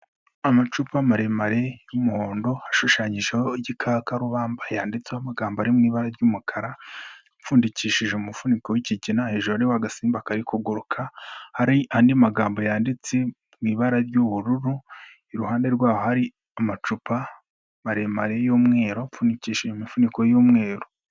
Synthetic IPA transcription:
amat͡ʃupamaɾe̞maɾe̞jumuho̞ːndo̞haʃuʃaːɲiʒehoiɟikʰakaɾuβaːmbajaːndit͡seamaɡaːmboaɾimŋiːβaɾaɾɟuːmukʰaɾa | fuːndiciːʃiʒeumufunikowiciɟinahe̞ʒuɾoɾiwaɡasiːmbakaɾikuɡuɾukʰahaɾiaːndiamaɡaːmbo̞jaːndit͡se | mwiːβaɾaɾɟuβuɾuɾu | iɾuhaːnde̞ɾɡwaːho̞haɾi | amat͡ʃupa | maɾemaɾe̞joːmŋe̞ːɾo̞fuːndiciːʃiʒeumifuniko̞juːmŋe̞ːɾo̞

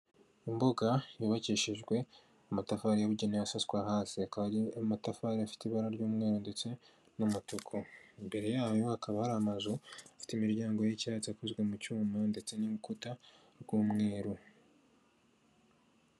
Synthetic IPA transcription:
imbo̞ɡajuβaciʃiʒɡwe̞ | amatafaɾijaβuɟenejasaswaɦaːsiakaaamatafaɾiafi̥tiβaɾaɾɟuːmŋe̞ːɾonde̞t͡se̞ | numutokʰoimbe̞ɾe̞jaːjo̞hakaβahaɾaamazuafi̥timiɾɟaːŋɡo̞jicat͡siakuzɡwe̞mucuːmande̞t͡se̞nimukuta | ɾɡuːmŋeːɾo

